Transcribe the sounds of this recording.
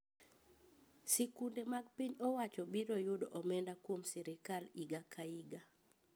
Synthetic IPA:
sɛkundemaɡpiɲɔwat͡ʃɔbiɾɔjʊdɔʔɔmɛndakwomsɛɾɪkaliɡakʰaiɡa

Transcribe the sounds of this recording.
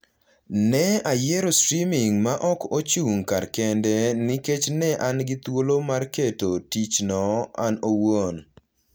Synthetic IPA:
nɛajɛɾostɾimɪŋmaʔɔkot͡ʃuŋkarkɛndɛnɪket͡ʃnɛʔanɡɪt̪wolomarketotit͡ʃnɔanowon

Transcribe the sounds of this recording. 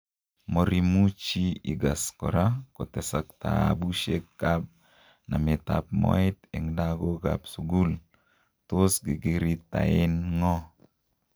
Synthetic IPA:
moɾimut͡ʃiiɡaskɔɾakotɛsak̚t̪a̰a̰buʃekːap̚ | namet̪a̰p̚mɔ̰ɪt̪eŋdaɡoɡa̰psuɡul | tosɡiɡiɾit̪aɪnŋɔ

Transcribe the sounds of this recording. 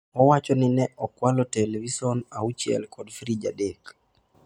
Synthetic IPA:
ɔwat͡ʃɔninɛʔɔkwalɔtelevisɔnaut͡ʃiɛ̰lkʰɔdfɾid͡ʒadek

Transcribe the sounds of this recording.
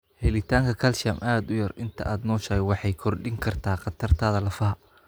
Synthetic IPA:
hɛlɪt̪ʰaːŋkʰɐkʰɐlʃɐmʔaːd̪ʊjɐrɪnt̪ʰɐ̰ʔaːd̪nɔːʃɐɣwɑħɑjkʰɔrɖɪŋkʰɐrt̪ʰaːqɑt̪ʰɐrt̪ʰaːðɐlɐfɐɦɐ

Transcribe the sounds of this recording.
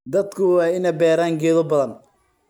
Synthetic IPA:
d̪ɐd̪kʰʊwɑːɪnɛbɛːɾaːŋɡɛːðɔbɐðɐn

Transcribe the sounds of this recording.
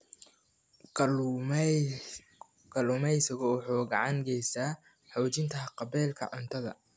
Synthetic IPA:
ɡɐlʊmɛjsɐɣɔwʊħuːɡɑʕɑŋɡɛjsaː | ħɔwt͡ʃɪnt̪ʰɐqɑbɛːlkʰɐ̰ʕʊnt̪ʰɐðɐ̰

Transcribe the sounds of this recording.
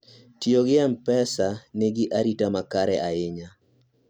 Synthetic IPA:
tioɡɪɛmpɛsaneɡɪʔaɾitamakaɾɛʔaɪɲa

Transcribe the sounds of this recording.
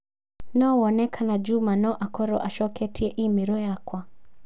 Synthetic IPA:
naɔwɔnɛkʰanad͡ʒumanɔʔakɔɾɔʔaʃɔkɛtʰiɛʔimiɾɔjakwa

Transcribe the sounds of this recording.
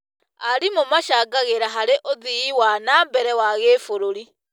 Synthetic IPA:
aɾimomaʃaɡaɣeɾaɦaɾeʔoðiːwanambɛɾɛwaɣeːfoɾoɾi

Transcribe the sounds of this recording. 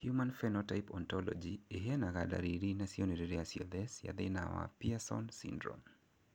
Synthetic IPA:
hjumãnfɛnɔtajpɔnt̪ɔlɔ̰d͡ʒieɦɛnaɣada̰ɾiɾinasiɔnɛdɛɾɛasiɔðɛsja̰ðɛna̰wa̰piasɔ̰nsḭndɾɔ̰m

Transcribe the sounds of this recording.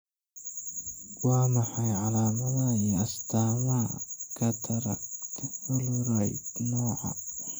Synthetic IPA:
waːmɐħɑjʕalaːmɐðaijɐst̪ʰaːmakʰɐd̪ʰɐɾɐkt̪ʰwɐlɾajd̪nɔːʕa̰

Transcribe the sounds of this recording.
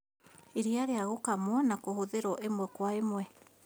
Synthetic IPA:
eɾiaɾeaɣokamwɔnakohoðeɾɔʔemwɛkwaemwɛ

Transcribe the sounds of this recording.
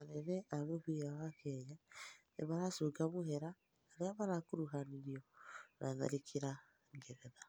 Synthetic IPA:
aɾeɾɛʔaβoβwiɾawakɛɲanḛβaɾasoːɡamohɛɾaː | ɾeaβaɾakuɾuɦaniɾiɔnaða̰ɾikʰiɾa | ŋɡeɾɛða

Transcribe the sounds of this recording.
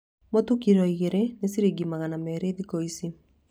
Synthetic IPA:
motukiɾɔiɣeɾenesiɾiɡimaɣanamɛɾeðikoisi

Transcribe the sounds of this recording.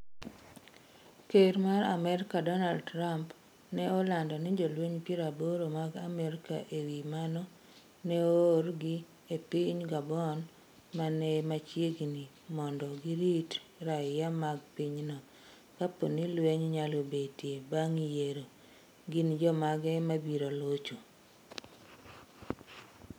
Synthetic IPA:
keɾmaɾa̰mɛɾɪkadɔnaldɾamp | nɛɔlandɔnɪd͡ʒɔlweɲpjeɾaboɾomaɡamɛɾɪka̰ʔewimanɔ | nɛorɡi | epiɲɡabɔn | manɛmat͡ʃjeɡni | mɔndɔɡiɾitɾajamaɡpiɲnɔ | kapo̰nilweɲɲalobetjebaŋijeɾo | ɡind͡ʒɔmaɡɛmabiɾolot͡ʃo

